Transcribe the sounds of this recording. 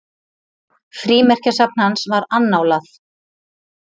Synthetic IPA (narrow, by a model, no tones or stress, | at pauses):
fɾiːmɛr̥casap̚nhansvaɾanːaːwlaθ